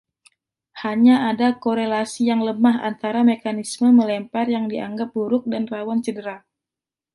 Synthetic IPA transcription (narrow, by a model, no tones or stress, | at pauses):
haɲaadakoɾelasijaŋləmaɦa̰nt̪aɾamekanisməməlɛmparjaŋdia̰ŋɡap̚buɾʊk̚danrawant͡ʃədəɾa